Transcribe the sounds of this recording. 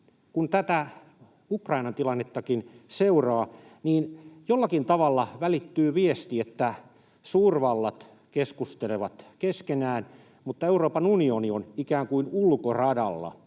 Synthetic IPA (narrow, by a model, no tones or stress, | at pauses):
kunt̪æt̪æ | ukrɑinɑnt̪ilɑnːet̪ːɑkinseurɑːniːnjolːɑkint̪ɑʋɑlːɑʋælit̪ːyːʋiest̪iet̪ːæ | suːrʋɑlːɑt̪ | keskust̪eleʋɑt̪keskenæːn | mut̪ːɑeuroːpɑnunionionikæːŋkuinulkorɑdɑ̰lːɑ̰